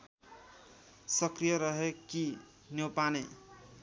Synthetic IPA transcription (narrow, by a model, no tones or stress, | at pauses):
sʌkrijʌɾʌɦeki | njowpane